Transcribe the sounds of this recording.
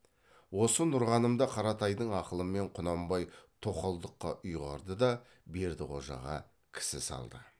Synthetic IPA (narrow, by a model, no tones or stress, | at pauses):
wo̞sənʊɾʁɑnəmd̪ɑqʰɑɾɑt̪ɑjd̪əɴɑqəlˠəme̞ɴqʰʊnɑmbɑjt̪ʰo̞qɑlˠd̪əqːɑ̰ʔʊjʁɑ̰ɾd̪əd̪ɑ | be̞ɾd̪ɪʁo̞̰ʒɑ̰ʁɑ̰ | kʲʰɪ̥sɪsɑ̰lˠd̪ə